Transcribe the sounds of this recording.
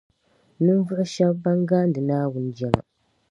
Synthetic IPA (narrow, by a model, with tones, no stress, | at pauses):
nɨ˦nvʊ˦ʔʊ˦ʃɛ˦bːa˦ŋɡaː˦n˦dɨ˨naː˦wʊ˦n˦d͡ʒɛ˦ma̰˨